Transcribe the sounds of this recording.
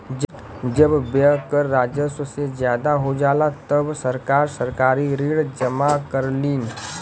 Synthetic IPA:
d͡ʒ | d͡ʒəbbəkəɾːaːd͡ʒəssezjaːd̪aɦod͡ʒaːlat̪əbsəɾkaːɾsəɾkaːɾiɾiːɽd͡ʒəmakəɾliːn

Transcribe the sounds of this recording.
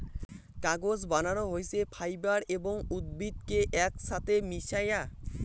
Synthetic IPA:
kaɡod͡ʑbananoɦojt͡ɕʰepʰajbaɾeboŋud̪̚bid̪keʔɛkʃat̪ʰemiʃaja

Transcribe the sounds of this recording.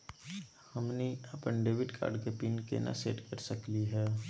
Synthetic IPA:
hɐmniɐpənɖeːʋɪʈkʰa̰ːɾɖkepiːnkḛna̰sḛːʈkəɾsəkliɦɛː

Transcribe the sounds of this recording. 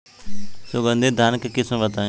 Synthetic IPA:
soːbə̃nd̪eːd̪ʱaːnkkɪsũʋət̪ãː

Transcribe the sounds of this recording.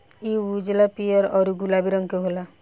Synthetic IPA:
iud͡ʒlapijɔɾɔɾuɡulabiɾɔŋkeɦola

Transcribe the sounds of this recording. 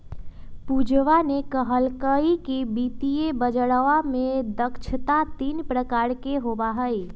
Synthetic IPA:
pud͡ʒʋanekəɦəlkəikibit̪ijebəd͡ʒəɽʋamed̪əkt͡ʃʰət̪at̪inpɾəkaɾkeɦobaɦəj

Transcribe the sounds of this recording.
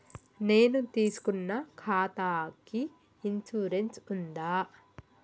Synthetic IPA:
ne̞ːnut̪iːsu̥kunːɐkʰaːt̪aːkiː | nsuːɾensund̪aː

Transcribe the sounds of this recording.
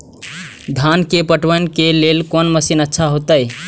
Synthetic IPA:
d̪ʱankepəʈʋənkelelkonməsinətːʃʰaɦot̪əj

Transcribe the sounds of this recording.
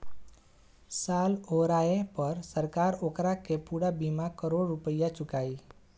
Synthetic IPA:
saloɾaepəɾsəɾkaɾokɾakepuɾabimakəɾoɽːupəjːat͡ʃukaːi

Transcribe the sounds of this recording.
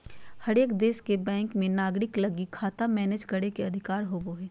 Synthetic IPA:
hɐɾeːkd̪eːskebɛ̃ːŋkmẽnaːɡɾɪklɐɡikʰaːt̪amɛːned͡ʒɡəɽekeɐd̪ʱɪkaːɾɦoːboɦɛː

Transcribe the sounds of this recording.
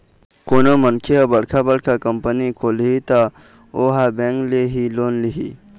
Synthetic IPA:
koːnomənkʰiabɐɽkʰabəɽkʰakəmpənikoːliɦit̪a | oːɦabẽːŋkleɦiloːnliɦḭ

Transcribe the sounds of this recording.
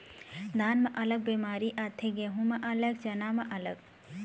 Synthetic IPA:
d̪ʱaːnmɐʔɐləɡ̚bemaːɾiʔaːt̪ʰeɡeɦũmɐʔɐlɐɡ̚t͡ʃɐnaːmɐʔɐləɡ

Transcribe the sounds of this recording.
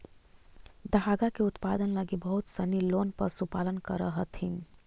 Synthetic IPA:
d̪əɦaɡakeʊt̪pad̪ənləɡibəɦut̪səniloːnpəɾsupalənkəɾəɦət̪ʰĩ

